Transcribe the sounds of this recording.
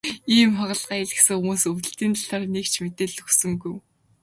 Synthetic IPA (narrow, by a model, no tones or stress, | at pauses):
iːmχaʁə̆ɮʁaːjeɮɘ̆xsɘ̆ŋxʊmuːsuw̪ɘ̆ɬt̪iːnt̪aɬarnekt͡ɕʰmet̪eːɮɵxsɵ̆ŋɡuj